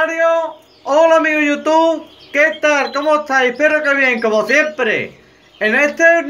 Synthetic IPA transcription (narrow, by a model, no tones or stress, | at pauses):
aɾjo | olamiɣujut̪uβ | ket̪aɾkomot̪ʰaipeɾokeβjeŋkomosjempɾḛ | enet̪ʰe